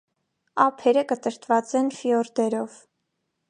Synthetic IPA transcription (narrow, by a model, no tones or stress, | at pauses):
ɑpʰɛɾəkət̪əɾt̪vɑt͡sɛnfiɔɾd̪ɛɾɔv